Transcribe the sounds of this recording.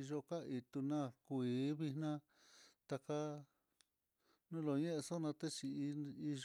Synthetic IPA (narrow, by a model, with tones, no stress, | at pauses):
i˧ʒo˧ka˦i˧t̪u˧nã˦kʷiː˨˦βi̥˧nã˦ | t̪a˧ka˧ | nũ˦lo˨ɲẽ˦ʔe˧so˦nã˧t̪e˦t͡ʃi˨˧i˧ʒ